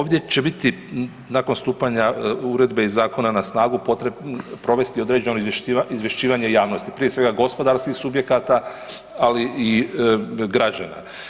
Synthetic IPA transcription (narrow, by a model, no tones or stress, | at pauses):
oːʋd̪je̞t͡ɕe̞bit̪i | nako̞nst̪uːpaɲauɾe̞d̪beizaːko̞nanasnaːɡupo̞t̪ɾepɾo̞ʋe̞st̪io̞d̪ɾe̞d͡ʑe̞noiʃiizʋje̞ʃt͡ʃiːʋaɲe̞jaːʋno̞st̪ipɾijesʋe̞ɡaɡo̞spo̞d̪aɾskixsubje̞kat̪a | alii | ɡɾad͡ʑana̰